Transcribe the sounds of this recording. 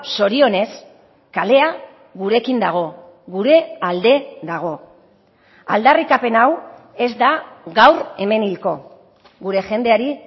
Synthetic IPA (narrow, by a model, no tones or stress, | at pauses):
so̞ɾio̞ne̞s | kale̞a | ɣuɾe̞kind̪aɣ̞o̞ | ɣuɾe̞ald̪e̞ðaɣ̞o̞ | a̰ld̪arikape̞naw | e̞zd̪aɣawre̞me̞nilko̞ | ɣuɾe̞ʝe̞nd̪e̞aɾi